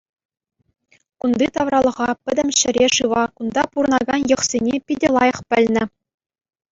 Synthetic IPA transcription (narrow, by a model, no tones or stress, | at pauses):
kund̪it̪ɑʋrɑlˠɤ̆ʁɑpʲɘ̆d̪ʲɘ̆mʲɕɘ̆ɾʲeʂɯʋɑkund̪ɑpuɾɤ̆nɑɡɑnjɤ̆χsʲenʲepʲidʲelˠɑjɤ̆χpʲɘ̆lʲnʲɘ̆